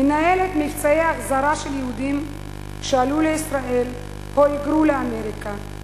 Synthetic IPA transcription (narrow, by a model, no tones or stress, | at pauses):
menaelet̪mift͡saeaχzaɾaʃeljehud̪im | ʃealuleisʁaʔe̞l | hoiɡɾuleame̞ɾika